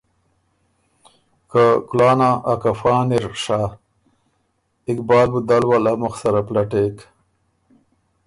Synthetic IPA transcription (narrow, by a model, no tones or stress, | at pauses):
kakulɑːnaʔakafɑːniɾʂa | ɪkbɑːlbud̪alwalamʊxsaɾaplaʈek